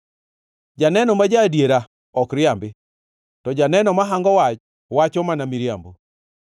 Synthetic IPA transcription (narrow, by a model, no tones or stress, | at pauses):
d͡ʒanɛnɔmad͡ʒadjeɾa | ɔkɾɪambɪ | tɔd͡ʒanɛnɔmaɦaŋɡɔwat͡ʃ | wat͡ʃɔmanamiɾja̰mbo